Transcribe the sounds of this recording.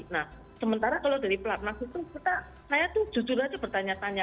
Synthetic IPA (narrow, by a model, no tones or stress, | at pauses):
nah | səmənt̪aɾakaloda̤ɾiplat̪̚nasit̪ukit̪a | kajat̪u̥d͡ʒ̥ud͡ʒuɾad͡ʒab̥ərt̪aɲat̪aɲa